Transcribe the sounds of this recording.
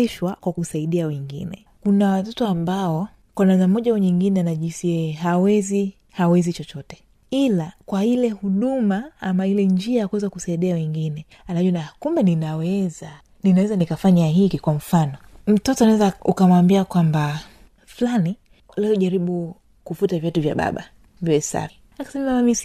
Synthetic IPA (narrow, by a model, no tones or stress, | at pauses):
ɛʃwakwakusaiɗiawɛŋɡḭnɛ̰ | kunawatɔtɔambaɔ | kwanamnamɔʄauɲiŋɡinɛnaʄinsiɛɦawɛzi | hawɛzit͡ʃɔt͡ʃɔtɛ̥ | ilakwailɛhuɗumaamailɛɲd͡ʒiajakwɛzakusaiɗiawɛŋɡinɛ | anaʄuwnakumbɛninawɛza | ninawɛzanikafaɲaɦikikwam̩fanɔm̩tɔtɔanawɛzaukamwambiakwamba | fulani | lɛɔʄaɾiɓu | kufutavjatuvja̰ɓa̰ɓa̰ | vɛɛsa̰ɾi | akḁsɛmamamamis